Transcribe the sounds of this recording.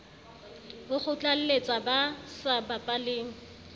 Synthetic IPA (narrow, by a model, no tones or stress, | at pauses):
bʊχʊt͡ɬʼal̩let͡sʼabasabapʼaleːŋ̩